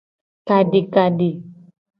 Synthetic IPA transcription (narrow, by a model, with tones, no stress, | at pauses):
ka˨ɖe˨ka˨ɖe˨